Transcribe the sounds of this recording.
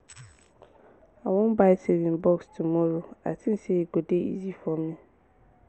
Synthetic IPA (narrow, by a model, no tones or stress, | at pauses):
awɔ̃mbasevĩnbɔkstʰumɔ̃ɾoa̰tʰɪ̃nsɛɡodeḭzifɔmɪ̃